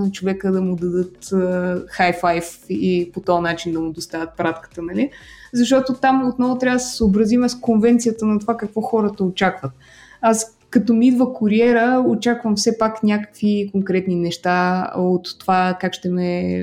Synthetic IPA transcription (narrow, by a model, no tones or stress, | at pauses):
nɐt͡ʃovɛkəd̪ɐmʊd̪ɐd̪ɤt̪əxajfajfipot̪ɔɐnat͡ʃind̪ɐmʊd̪ost̪avʲət̪̚pɾat̪kə̥t̪ənɐlizɐʃt̪ɔt̪ot̪amot̪nɔvʊt̪ɾʲavəd̪sɛ̥səobɾɐzimɛskonvɛnt̪sijət̪ənɐt̪ovakəkvɔxɔɾət̪əot͡ʃakvət̪ | as | kɐt̪ɔmiid̪vəkʊɾiɛɾəot͡ʃakvəmfsɛpaknʲakə̥kvikoŋkɾɛt̪ninɛʃt̪aot̪ːovakakʃt̪ɛmɛ